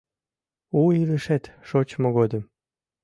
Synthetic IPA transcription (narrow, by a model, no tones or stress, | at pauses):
uiləʃet̪ʃot͡ɕmoɣod̪əm